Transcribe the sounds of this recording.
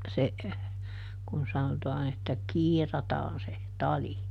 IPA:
se kun sɑnotɑːn etːæ kiːrɑtɑːn se tɑli

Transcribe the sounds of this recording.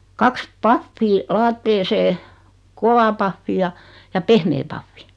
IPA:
kɑks pɑfːiː lɑːtːeːseː koʋɑ pɑfːi jɑ jɑ pehmeː pɑfːi

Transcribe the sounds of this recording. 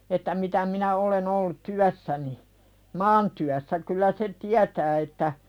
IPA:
etːæ mitæ minæ olen olːut tyæsːæni mɑːntyæsːæ kylˑæ se tiætæː etːæ

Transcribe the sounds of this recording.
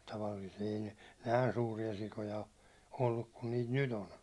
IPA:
tɑʋɑlːiːsie ei ne næˑi̞n suːriɑ sikojɑ o olːuk kun niːt nyt on

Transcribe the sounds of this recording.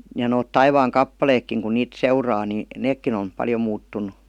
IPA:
jɑ noːt tɑiʋɑːŋkɑpːɑleːkːiŋ kun niːt seurɑː ni neːkːin on̞ pɑljo muːtːunˑu

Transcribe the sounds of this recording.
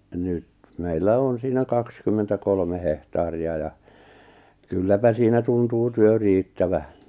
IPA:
nyt meilːæ on siːnæ kɑkskymːentækolme hehtɑːriɑ jɑ kylːæpæ siːnæ tuntuː tyø riːtːæʋæ

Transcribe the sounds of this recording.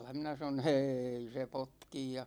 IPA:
minæ sɑnon̞ h̆eːi se potkij jɑ

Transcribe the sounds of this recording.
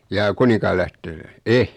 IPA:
jɑː kunikɑːlæhte e

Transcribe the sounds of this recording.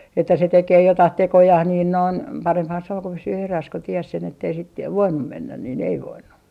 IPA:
etːæ se tekeː jotɑh tekojɑh niːn noin pɑremphɑn se oŋ ku pysyː eræs ku ties sen etːei sit jɑ ʋoinːum menːæ niːn ei ʋoinːu

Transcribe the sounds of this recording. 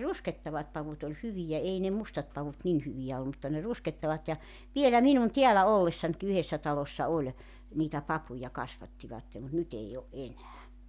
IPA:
rusketːɑʋɑt pɑʋut olʲ hyʋijæ ei ne mustɑt pɑʋut nin hyʋijæ olːu mutːɑ ne rusketːɑʋɑt jɑ ʋielæ minun tiælæ olːesːɑnki yhesːæ tɑlosːɑ olʲ niːtæ pɑpujɑ kɑsʋɑtːiʋɑtːe mut nyt ei o ʔenæː

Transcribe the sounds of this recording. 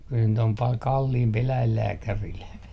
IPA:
kyl nyt om pɑl kɑlːiːmpi elæilːæːkæril

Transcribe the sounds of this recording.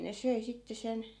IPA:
ne søi sitːe sen

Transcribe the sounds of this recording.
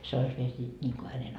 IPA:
se ois ʋiel siːt nʲiːŋko hænen

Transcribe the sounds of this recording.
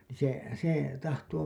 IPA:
niː se se tɑhtoː

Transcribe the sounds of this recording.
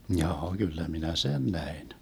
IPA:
mjɑː ɡ̊ylːæ minæ sen næin

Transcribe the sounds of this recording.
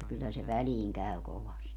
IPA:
kylːæ se ʋæliːŋ kæy koʋɑsti

